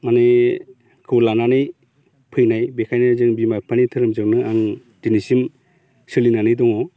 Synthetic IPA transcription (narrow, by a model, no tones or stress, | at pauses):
mane | kʰɯwlananɯj | pʰɯjnajbekʰajnazɯŋbimapʰanitʰɯɾɯmzɯknɯaŋ | d̥inisim | sɯlinanɯjdɔŋɔ